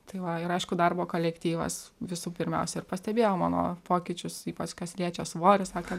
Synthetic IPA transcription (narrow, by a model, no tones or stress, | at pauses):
t̪ɐɪʋɐɪɾɐɪʃkʊd̪ɐrboːkoːlʲɛkt̪ʲiːʋɐ̰sʋʲɪsuːpʲɪɾʲmʲɛ̰ʊsʲɛɪrpɐsʲt̪ʲɛbʲeːjɛʊmɑːno̰ːpoːkʲɪt͡ʃʲʊsiːpɐt͡ʃkʲɐslʲiɛt͡ʃʲɛsʋoːɾʲɪsɑːkʲe